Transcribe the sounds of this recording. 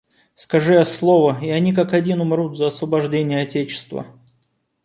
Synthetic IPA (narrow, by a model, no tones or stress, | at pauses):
skɐʐɨjaslˠo̞vəɪɐnʲikakɐdʲinʊmɾut̪zəɐsvəbɐʐdʲenʲɪjəɐtʲet͡ɕɪ̥st̪və̰